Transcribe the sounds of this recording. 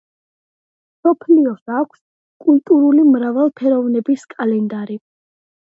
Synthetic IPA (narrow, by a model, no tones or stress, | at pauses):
sɔpʰliɔsakʷʰs | kʼult̪ʼuɾulimɾavalˠpʰɛɾɔvnɛbiskʼalɛnd̪aɾi